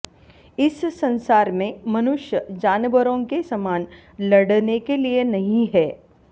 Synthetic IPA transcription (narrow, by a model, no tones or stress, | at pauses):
ɪsːɐ̃nsaːɾmẽmɐnʊʃjəd͡ʒaːnəʋəɾõkesɐmaːn | lɐɽnekelienɐɦĩɦɛː